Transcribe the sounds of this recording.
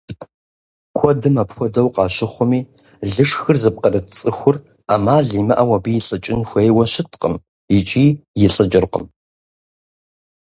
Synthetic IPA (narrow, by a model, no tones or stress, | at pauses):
kʷʰɔdɨmapxʷɔdɐwqʼɑːɕɪχʷʊmiː | ɮɨʂxɨrzɨp̚qʼɐrɐt͡sʼɨxʷʊr | amaːɮiːmɐʔɐwɐbiːjɪɬʼɨt͡ʃʼɪnxʷejwɐʃɪtʰqə̰m | it͡ʃʼiːjɪɬʼɨt͡ʃʼɪrqʼə̰m